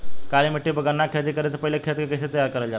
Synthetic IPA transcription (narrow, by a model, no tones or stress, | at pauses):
kaliːməʈːiːbəɡənːakʰet̪ikəɾat͡səpəɦilekʰet̪kekəset̪əjaɾkəɾald͡ʑa